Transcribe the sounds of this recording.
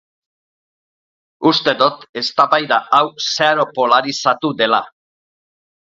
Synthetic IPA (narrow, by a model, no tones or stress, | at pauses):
ust̪e̞ðut̪e̞st̪aβajðaawseaɾo̞po̞laɾisat̪uðe̞la̰